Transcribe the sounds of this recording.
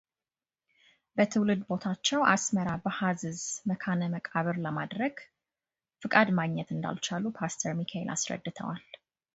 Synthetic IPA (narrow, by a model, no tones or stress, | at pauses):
bət̪ʰɨwlɨd̪bo̞t̪ʰat͡ʃːɛwʔasməɾabəhazɨzməkʰanəməkʼaβɨɾləmad̪ɾəɡ | fɨkʼad̪maɡɲɛt̪ɨnd̪a̰lt͡ʃalupʰast̪ʰəɾmikʰaḛlʔa̰sɾə̰d̪ːɨt̪ʰə̰wal